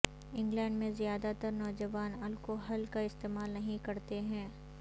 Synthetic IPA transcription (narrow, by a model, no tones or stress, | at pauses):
ɪ̃ŋɡlɛ̃ːɳɖmẽzijaːd̪at̪ɐɾnɔːd͡ʒɐʋaːnɐlkoɦɐlkaɪst̪eːmaːlnɐɦĩkɐɾt̪eɦɛ̃ː